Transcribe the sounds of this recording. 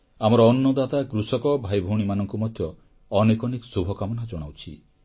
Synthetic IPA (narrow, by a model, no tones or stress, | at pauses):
amɔɾɔːnːɔd̪at̪akɾusɔkɔbʱajbʱuɽ̃imanɔŋkumɔd̪ʱjɔ | ɔnekɔniksubʱɔkamɔnad͡ʒɔɽ̃awt͡ʃʰḭ